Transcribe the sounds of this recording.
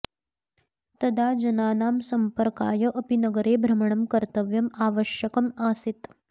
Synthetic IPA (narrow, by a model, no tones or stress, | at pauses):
t̪ɐd̪ʱaːd͡ʒɐnaːnaːmsɐmpəɾkaːjɐʔɐpinɐɡəɾeːbʱɾɐmɐɳɐmkɐɾt̪əʋjɐmaːʋəʃjɐkɐmaːsit̪